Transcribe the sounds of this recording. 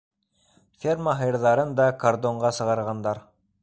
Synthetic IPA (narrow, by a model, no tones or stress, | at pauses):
fʲermaɦɤ̆jɾðɑɾɤnd̪ɑkaɾd̪oɴʁɑsɤ̆ʁɑɾʁɑnd̪ɑɾ